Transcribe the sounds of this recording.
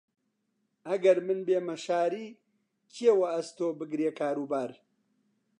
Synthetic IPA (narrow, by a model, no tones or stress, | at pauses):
ɐɡɐɾmɨnbeːmɐʃaːɾiː | cʰiewɐɐst̪oːbɨɡɾeːkʰaːɾuːbaːɾ